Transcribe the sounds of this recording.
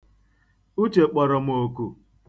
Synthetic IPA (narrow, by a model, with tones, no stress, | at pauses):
u˦t͡ʃe˨k͡pɔ˨ɾɔ˨m̩˦o˨ku˦˨